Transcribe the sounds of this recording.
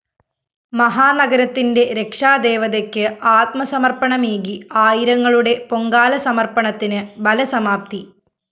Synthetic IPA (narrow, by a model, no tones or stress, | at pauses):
mɐɦaːnɐɡɐɾɐt̪ːinde̞ɾe̞kʂaːd̪e̞ːʋɐðekːɨaːt̪̚mɐsɐmɐrpɐɳɐmeːɣiaːjiɾɐŋːɐɭuɽe̞po̞ŋɡaːlɐsɐmɐrpɐɳɐt̪ːinɨbɐlɐsɐmaːp̚t̪i